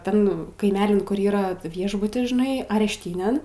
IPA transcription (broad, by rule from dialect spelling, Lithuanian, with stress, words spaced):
ˈtʲɛn kɐɪˈmʲæːlʲɪn ˈkʊr iːˈrɐ ˈʋʲiɛʒbʊtʲɪs ʒʲɪˈnɐɪ ɐrʲɛʃʲˈtʲiːnʲeːn